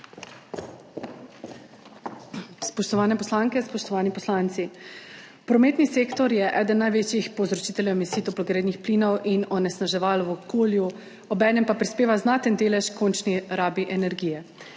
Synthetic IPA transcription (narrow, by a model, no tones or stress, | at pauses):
spɔʃt̪ɔʋaːnɛpɔslaːŋkɛspɔʃt̪ɔʋaːnipɔslaːnt̪si | pɾɔmeːt̪niseːkt̪ɔɾjɛʔɛːd̪ənːajʋet͡ʃjixpɔwzɾɔt͡ʃiːt̪ɛljɛwmisiːt̪ɔplɔɡɾeːd̪nixpliːnɔwʔinɔnɛsnaʒɛʋaːlwɔkoːlju | ɔbɛːnɛmpapɾispeːʋaznaːt̪ənd̪eːlɛʃkont͡ʃniɾaːbiʔɛnɛɾɡiːjɛ